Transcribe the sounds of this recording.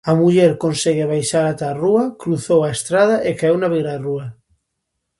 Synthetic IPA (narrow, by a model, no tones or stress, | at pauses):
amuʎeɾkonsɛɣeβajʃaɾat̪aruakɾuθowaest̪ɾað̞aʔekaewnaβeɣɾarua